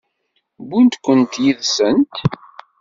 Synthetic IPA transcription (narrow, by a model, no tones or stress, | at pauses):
bunt̪kʷːənt̪jiðsənt̪